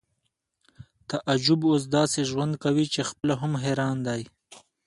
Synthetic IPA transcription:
t̪aʔad͡ʒubos̬d̪ɑːseʒwand̪̚kawit͡ʃexpəlaɦʊmɦeɾɑːnd̪ɑːj

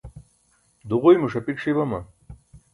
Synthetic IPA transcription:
d̪uʁujmuʂɐpikʂibɐmɐ

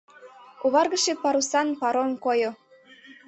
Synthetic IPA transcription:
uβɑrɣəʃepɑɾusɑnpɑɾomkojo

